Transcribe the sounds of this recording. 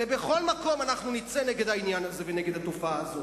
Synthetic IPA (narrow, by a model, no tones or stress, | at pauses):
ebe̞χo̞lmako̞manaχnunit͡seneɡe̞d̪ainjanaze̞veneɡed̪hat̪ufaːzo